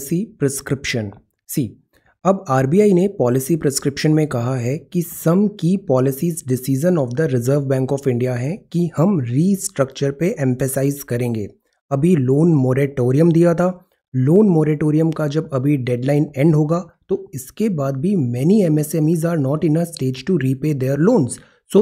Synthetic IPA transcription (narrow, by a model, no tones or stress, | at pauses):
sipɾɛskɾɪpʃən | siː | ɐbaːɾbiːaːinepɔːlɪsipɾɛskɾɪpʃənmẽkɐɦaɦɛkisɐmkipɔːlɪsiːzɖɪsiːʒənɔːfd̪əɾɪzəːɾʋbɛ̃ːŋkɔːfɪ̃ɳɖijaɦɛ̃kihɐmɾiːsʈɾɐk̚t͡ʃəɾpeʔɛ̃ɱfəsaːɪzkɐɾẽːŋɡeː | ɐbʱiloːnmoːɾeʈoːɾijə̃md̪ijat̪ʰaː | loːnmoːɾeʈoːɾijə̃mkad͡ʒɐbɐbʱiɖɛɖlaːɪnɛ̃ɳɖɦoːɡaːt̪oɪskebaːd̪̚bʱimɛːniɛmɛsɛːmiːzaːɾnɔːʈɪ̃nəsʈeːd͡ʒʈuɾiːpeːd̪eːɾloːnz | soː